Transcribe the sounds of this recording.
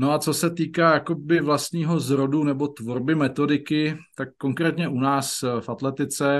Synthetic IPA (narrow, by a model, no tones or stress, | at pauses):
no̞at͡so̞sɛt̪iːkaːjako̞bɪvlast̪ɲiːɦo̞zɾo̞dunɛbo̞t̪vo̞ɾbɪmɛt̪o̞dɪkɪt̪akːo̞ŋkɾɛːt̪ɲɛʔunaːsfʔat̪lɛt̪ɪt͡sɛ